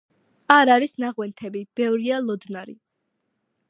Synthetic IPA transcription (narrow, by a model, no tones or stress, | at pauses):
aɾaɾisnaʁwɛnt̪ʰɛbib̥ɛvɾialˠɔd̪naɾḭ